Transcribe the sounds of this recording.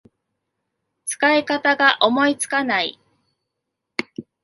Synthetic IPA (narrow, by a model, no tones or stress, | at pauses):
t͡sɨ̥kaekat̪aɡaʔo̞mo̞it͡sɨ̥kanai